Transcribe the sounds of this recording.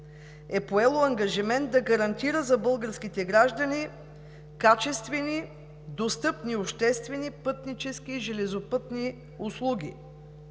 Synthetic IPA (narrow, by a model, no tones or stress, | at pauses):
ɛpoɛlˠoɐŋɡɐʒimɛnd̪d̪ɐɡɐɾɐnt̪iɾəzɐbɤlˠɡəɾskit̪ɛɡɾaʒd̪ɐni | kat͡ʃɛst̪vɛni | d̪ost̪ɤpniopʃt̪ɛst̪vɛnipɤt̪nit͡ʃɛsk̟iːʒɛlɛzopɤt̪ni | ʊslˠuɡʲḭ